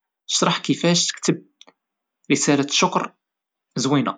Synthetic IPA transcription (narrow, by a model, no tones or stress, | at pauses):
ʃɾˤɑħkəfæʃt̪ə̥kt̪əb̚ | ɾisælæʃːʊkɾ | zwinæ̰